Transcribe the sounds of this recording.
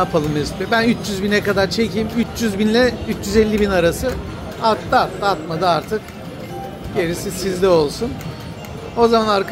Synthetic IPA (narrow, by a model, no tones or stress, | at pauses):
apʰalˠɯmest̪ɛbænyt͡ʃjyzbinɛkad̪aɾt͡ʃʰe̞cʰiːmyt͡ʃjyzbinlʲɛyt͡ʃd͡ʒyzɛlʲːibinaɾasɯ | at̪laat̪laat̪mad̪ɯaɾt̪ʰɯk | ɟe̞ɾisisizd̪ɛo̞lˠsun | o̞zamanaɾk